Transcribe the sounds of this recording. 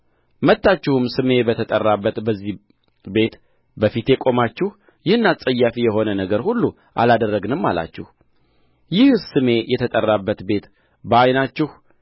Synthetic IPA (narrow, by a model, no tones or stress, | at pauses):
mət̪ːat͡ʃːɪhumsɨme̞bət̪ʰət̪ʼərːabːət̪bəzːi | be̞t̪ | bəfit̪ekʼo̞mat͡ʃːɪh | jɪhɨnːasʼəjːafijɛho̞nənəɡəɾhulːu | ʔa̰lad̪ərːəɡnɨmːa̰la̰t͡ʃːɪh | jɪhsɨme̞jɛt̪ʰət̪ʼərːabːət̪be̞t̪ | bəajnat͡ʃːɪh